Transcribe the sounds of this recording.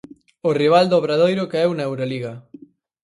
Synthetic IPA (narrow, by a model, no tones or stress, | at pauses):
ʊriβ̞ald̪oβɾaðojɾʊkeɛwnaewɾoliɣa